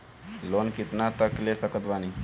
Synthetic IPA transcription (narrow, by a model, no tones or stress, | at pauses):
lonkit̪nat̪əklesəkət̪bani